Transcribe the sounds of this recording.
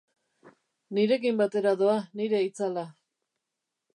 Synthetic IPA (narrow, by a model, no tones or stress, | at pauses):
niɾe̞kimbat̪e̞ɾaðoaniɾe̞it͡sala